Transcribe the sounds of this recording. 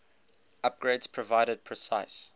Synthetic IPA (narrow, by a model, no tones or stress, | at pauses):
ap̚ɡ̥ɹeːdz̥pʰɹɔvaɪɾəd̚pʰɹɛsaɪs